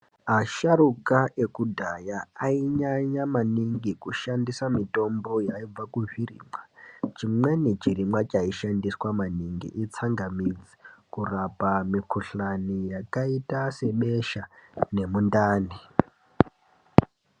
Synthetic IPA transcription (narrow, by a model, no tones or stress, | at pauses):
aʃarukaʔe̞kudʱajaaiɲaɲamaniŋɡikuʃandisamito̞mbo̞jaib͡vakuʐirḭːmwat͡ʃimwenit͡ʃirimwat͡ʃaiʃandiswamaniŋɡḭʔit͡saŋɡamid͡zi̥kurapamikuɬanijakaitase̞ɓe̞ʃane̞mundaːni